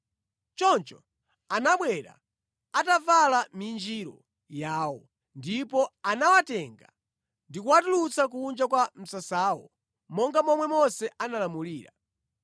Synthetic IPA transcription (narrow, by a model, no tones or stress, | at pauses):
t͡ʃɔnt͡ʃɔ | anaɓwɛɾa̰ | atavalamind͡ʒiɾɔ | jaːwɔ | ndipɔanawatɛŋɡa̰ | ndikuwatulut͡sakuːnd͡ʒakwam̩sasaːwɔ | mɔŋɡamɔmwɛmɔsɛʔanalamuliːɾa